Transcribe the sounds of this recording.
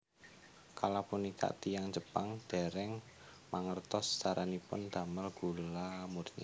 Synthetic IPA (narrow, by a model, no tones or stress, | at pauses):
kalapunika̰ʔt̪ijaŋd͡ʒəpaŋd̪̥e̤ɾɛŋ | maŋərt̪ɔst͡ʃaɾʔanipʊnd̪̥a̤məlɡ̥ṳlamurɲḭ